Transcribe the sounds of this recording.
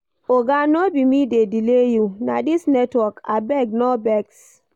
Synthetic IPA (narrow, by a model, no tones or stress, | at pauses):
oɡanobimidedilejuna̰disnɛtwɔka̰bɛɡ̚nɔbɛɡs